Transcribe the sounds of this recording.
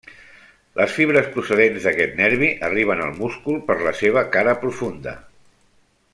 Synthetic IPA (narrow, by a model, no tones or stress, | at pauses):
lʔəsfiβɾəspɾusəðenzðəkɛt̪nɛɾβiʔəriβ̞ənə̰lˠmuskulˠpəɾləseβ̞əkaɾəpɾufund̪ə̰